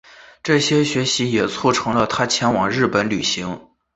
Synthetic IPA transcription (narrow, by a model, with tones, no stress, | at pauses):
ʈ͡ʂɤ˥˩ɕjɛ˥ɕɥɛ˧˥ɕi˧˥jɛ˨˩t͡sʰu˥˩ʈ͡ʂʰɤ˧˥ŋlə˧t̪ʰa˥t͡ɕʰjɛ˧˥nwɑ˨˩ŋɻɻ̩˥˩pə˧˥nly˨˩ɕi˧˥ŋ